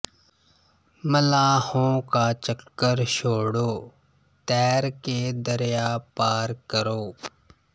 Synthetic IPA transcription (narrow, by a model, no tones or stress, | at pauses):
məlaːhõːkaːt͡ʃəkːəɾʃoːɽoː | t̪ɛːɾkeːd̪əɾjaːpaːɾkəɾoː